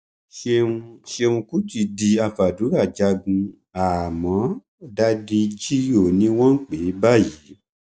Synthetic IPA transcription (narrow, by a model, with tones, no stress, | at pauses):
ʃẽ˦˧ʃe˧ũ˧ku˦d͡ʒi˦˨di˧a˧fa˨du˨˦ɾa˦˨d͡ʒa˧ɡũ˧ | a˨mɔ̃˨˦ | da˧di˧d͡ʒi˦jo˦˨nĩ˨˦w̃ɔ̃˦n̩˦k͡pe˨˦ba˦˨ji˨˦